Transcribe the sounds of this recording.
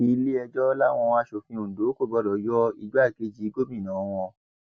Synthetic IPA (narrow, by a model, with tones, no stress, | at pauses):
ĩ˦˧˦le˦ɛ˧d͡ʒɔ˦la˦˨w̃ɔ̃˧wa˧˦ʃo˨fĩ˧ũ˨do˨˦ko˦˨bɔ˧dɔ˨jɔ˦i˧d͡ʒa˦˨ɡe˨˦d͡ʒi˨˦ɡo˦mĩ˦˨nã˨˦w̃ɔ̃˧